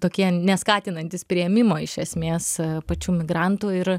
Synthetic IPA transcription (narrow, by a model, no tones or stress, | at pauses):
t̪oːkʲiɛnʲɛskɑːt̪ʲɪnɐnʲt̪ʲɪspʲɾʲɪɛmʲɪmoːɪʃʲɛsʲmʲeːspɐt͡ʃʲuːmʲɪɡɾɑnt̪uːɪɾ